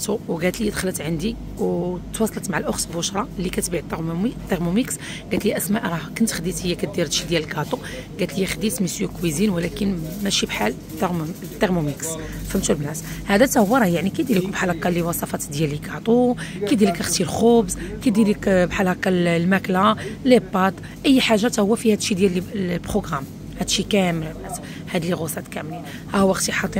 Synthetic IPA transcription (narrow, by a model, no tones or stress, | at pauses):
t̪uwɡæt̪ljid̪xələt̪ʕənd̪i | wt̪wɑsˤɑlət̪maʕalʔʊxt̪bʊʃɾˤɑlːikæt̪biʕt̪ːt̪ˤːeʁmumiks | ɡæt̪ljæʔæsmæʔɾˤɑhkənt̪xd̪it̪həjːækæd̪iɾt̪ʃid̪jæləlkɑt̪ˤu | ɡæt̪ljæxd̪it̪məsjukwizinwəlækənmæʃibħal | t̪ː | t̪ˤːeɾmumiks | fəmt̪ulmnæshæd̪æt̪æhwːɑɾˤɑjaʕnikæd̪iləkubħalɑqɑliwɑsˤɑfɑt̪d̪jælːikɑʕt̪ˤukæd̪iləkəxt̪ilxobzkæd̪iləkbħalɑkɑllmæklalebɑt̪ˤ | ʔəjːħaʒːat̪æhʊwːæfihæd̪ʃid̪jælːilbχoɡʁam | hæd̪ʃikæməlbʕæt̪ | hæd̪əlːiɣosˤɑt̪kæmlin | hæhʊwːəxt̪iħɑt̪ˤi